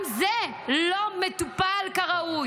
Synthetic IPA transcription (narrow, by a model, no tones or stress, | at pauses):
mze | lomet̪upalkaʁau